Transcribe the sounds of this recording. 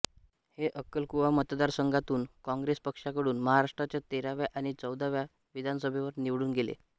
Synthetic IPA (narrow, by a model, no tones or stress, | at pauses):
heʔəkːəlkuʋamət̪d̪aɾsəŋɡʱat̪uːnkɔ̃ŋɡɾespəkʂakəɽuːnməɦaɾaʂʈɾat͡ɕjat̪eɾaʋjaʔaɽ̃it͡səwd̪ʱaʋja | ʋid̪ʱanəsəbʱeʋəɾniʋɽuːnɡelḛ